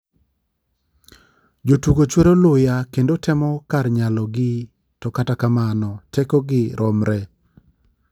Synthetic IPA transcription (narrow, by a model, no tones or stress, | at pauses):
d͡ʒotuɡot͡ʃweɾolʊjakendotɛmɔkarɲalɔɡɪ | tɔkatakamanɔtʰɛkoɡɪɾɔmɾɛ